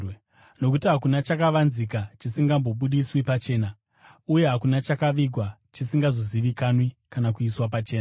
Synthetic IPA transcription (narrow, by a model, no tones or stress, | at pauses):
no̞k̬utiɦakunat͡ʃakaʋanzik̬at͡ʃisiŋɡambo̞ɓuɗiswipat͡ʃe̞ːna | uje̞ɦakunat͡ʃakaʋiɡʱwat͡ʃisiŋɡazoziʋikanwikanakuiswap̬at͡ʃe̞ːna